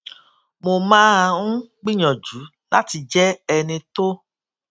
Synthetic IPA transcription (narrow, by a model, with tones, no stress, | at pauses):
mo˨mãː˦˧ũ˦ɡ͡bi˦ɲɔ̃˨d͡ʒu˨˦ | la˦ti˧d͡ʒɛ˦ɛ˧nĩ˧to˦